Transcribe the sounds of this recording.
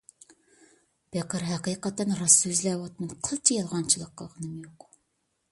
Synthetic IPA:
b̥ɛqɨɾɦæqijqɑt̪ːɛnɾɑsøzlɛwɑt̪mɨnqʰəlˠt͡ʃʰijɑlˠʁɑnt͡ʃʰilˠəqʰːəlˠʁənɨmjoq

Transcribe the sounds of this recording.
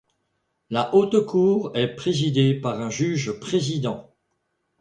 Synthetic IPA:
laʔot̪kuːʁɛpχezid̪epaʁɛ̃ʒyʒpχezid̪ɑ̃

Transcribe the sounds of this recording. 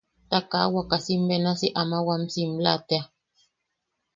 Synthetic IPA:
takawakasim̩bɛnasiʔamawam̩sim̩latɛa

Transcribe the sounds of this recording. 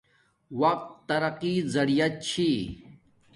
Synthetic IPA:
wɐq̚t̪ːɐɾɐqizɐɽijɐt̪̚t͡ɕʰi

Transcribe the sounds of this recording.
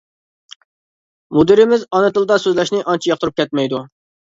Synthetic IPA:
mud̪ɪɾɪmɪzɑnɨt̪ɨlˠd̪ɑsøzlɛʃnɪʔɑnt͡ʃʰijɑq̚t̪ʰɾup̚kʲɛt̪̚mɛjd̪u

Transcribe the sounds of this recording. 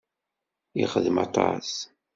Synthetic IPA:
iχəðmɑ̰t̪ˤɑ̰s

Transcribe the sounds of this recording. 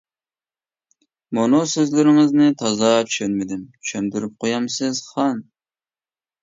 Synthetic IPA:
munusøzlɪɾɪŋɪznɪt̪ʰɑzɑt͡ʃʰy̥ʃønmɪd̪ɪmt͡ʃy̥ʃʰɛmd̪yɾyp̚qʰojɑmsɨz̥χɑn

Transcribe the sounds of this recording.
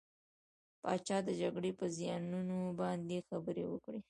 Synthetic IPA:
pɑ̰t͡ʃɑd̪əd͡ʒaɡɽepəzjɑnunobɑnd̪exabəɾewə̰kɽe

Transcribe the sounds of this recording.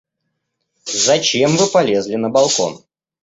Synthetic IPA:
zɐt͡ɕemvɨpɐlʲe̞zʲlʲɪnəbɐlˠko̞̰n

